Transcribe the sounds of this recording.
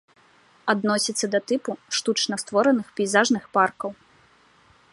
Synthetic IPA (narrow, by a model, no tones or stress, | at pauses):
ad̪nɔsʲit̪sːɐd̪ɐt̪ɨpuʂt̪ut͡ʂnɐst̪vɔɾɐnɨxpʲijzaʐnɨxparkɐw